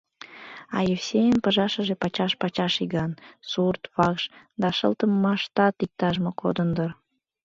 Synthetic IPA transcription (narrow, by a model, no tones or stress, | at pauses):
ɑ̰jefsejənpəʒɑʃəʒepɑt͡ɕɑʃpɑt͡ɕɑʃiɣɑnsurt̪βɑkʃ | d̪ɑʃə̰lt̪əmːɑʃt̪ɑt̪ik̚t̪ɑʒmoko̰d̪ənd̪ər